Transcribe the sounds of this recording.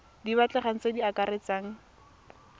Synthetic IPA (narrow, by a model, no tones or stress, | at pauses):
diβat͡ɬɛχan̩t͡sediakaɾet͡saːŋ̩